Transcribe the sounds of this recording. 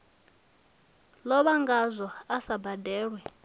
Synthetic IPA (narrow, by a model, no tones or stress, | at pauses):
lɔβaŋɡazʷɔasabadɛːɺwɛ